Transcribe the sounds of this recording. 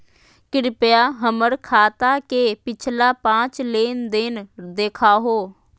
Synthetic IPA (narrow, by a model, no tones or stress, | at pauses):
kɪɾɪpejaːɦəməɾkʰaːt̪aːkeːpɪt͡ʃʰlaːpãːt͡ʃleːnd̪ɪnd̪eːkʰaːɦoː